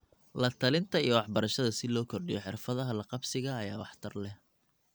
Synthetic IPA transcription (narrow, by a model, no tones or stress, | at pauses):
lɐt̪ʰɐlɪnt̪ʰɐijɔwɑħbɐɾɐʃɐðɐsɪlɔːkʰɔrɖɪjɔħɪrfɐðɐɦɐlɐqɑbsɪɣɐːjaːwɑħt̪ʰɐrlɛ